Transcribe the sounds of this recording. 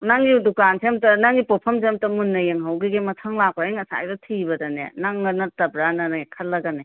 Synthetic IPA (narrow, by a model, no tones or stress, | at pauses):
naŋɡidukansʰemtɐnaŋɡipopʰɐmsemtɐmunːɐjeŋɦawɡiɡemɐtʰɐŋlap̚ɾajiŋɐsa̰jdɐtʰibɐdɐnḛnaŋːɐnɐtɐbɾanɐnaekʰɐlːɐɡane